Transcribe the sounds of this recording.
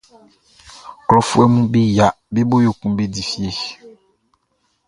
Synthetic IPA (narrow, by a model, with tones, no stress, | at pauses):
klɔ˦fu˦ɛ˦mũ˦bi˦ja˨ | bi˦bo˦jo˨kũ˦m˦bi˦di˨fi˦e˦